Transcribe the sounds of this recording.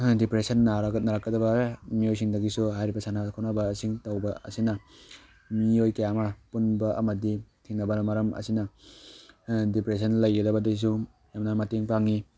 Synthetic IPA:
dipɾesɐnːaɾɐɡɐt̚naɾakːɐdɐbɐmijojs̬iŋdɐɡisuɦajɾibɐsanakʰawnɐbɐsiŋtɐwbɐɐ̰sinɐ | miojkɐjamɐpunbɐʔɐmɐditʰiŋnɐbɐnmaɾɐmʔɐ̰sinɐ | dipɾes̬ɐnlɐjɡɐdɐbɐdis̬u | jamnamateŋpaŋi

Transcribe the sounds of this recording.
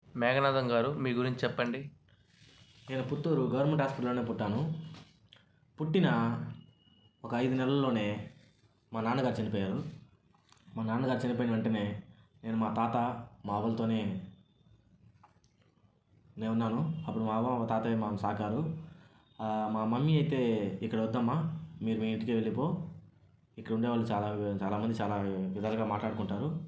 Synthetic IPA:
mɛːɡɐnaːd̪ɐŋɡaːɾumiːɡuɾiɲt͡ʃt͡ʃɛpːɐɳɖi | neːnɐput̪ːoːɾuɡɐʋɐɾmeɳʈɦaːspɐʈɐlːoːne̞ːpuʈːaːnu | puʈːinɐ | ɔkɐːjd̪unɛlɐlːo̞ːne̞ː | maːnaːnuɡaːɾut͡ʃɐnipɔːjaːɾu | maːnaːnɐɡaːɾut͡ʃɐnip̬ojinɐɐɳʈeːne̞ːne̞ːnumaːt̪aːt̪ɐmaːʋɐlɐt̪o̞ːne̞ː | neːunːaːnuɐpːuɽumaːʋɐt̪aːt̪emaːɐmsaːkaːɾu | maːmɐmːiɐjt̪e̞ːikːɐɽɐʋɐd̪ːɐmːaːmiːɾumiːint̪ukeʋe̞ɭːip̬o̞ː | ikːɐɽuɳɖeːʋaːɭːut͡ʃaːlaːt͡ʃaːlaːmɐnd̪it͡ʃaːlaːʋid̪aːlɐɡaːmaːʈlaːɽukuɳʈaːɾu

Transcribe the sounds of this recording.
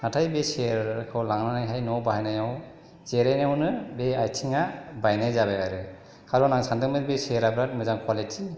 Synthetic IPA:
natʰajbeseɾkʰɯwlaŋnanajɦajnɔbahajnajaw | zeɾajnawnɯbeajtʰiŋabajnajzabeaɾɯ | kʰaɾɔnaŋsantɯmɯtbeseɾabɾat̚mɯzaŋkʰwaleti

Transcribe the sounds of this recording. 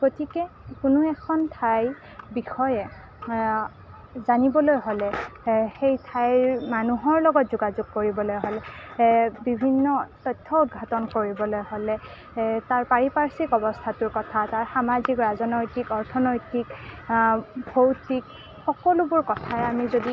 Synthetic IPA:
kotikɛkʊnʊɛkʰɔntʰaj | bixɔjɛ | zanibɔlojɦolɛxejtʰajmanuɦɔɹlɔɡɔtzuɡazuɡ̚koɹibɔlojɦɔlɛ | bibʱinːɔtɔjtʰːɔudɡʱatɔnkoɹibɔlojholɛ | taɹpaɹipaɹsikɔbɔstʰatʊɹkɔtʰataɹxamazikɹazɔnɔjtikɔɹtʰɔnɔjtik | bʱowtik | xɔkɔlʊbʊɹkɔtʰaamizodi

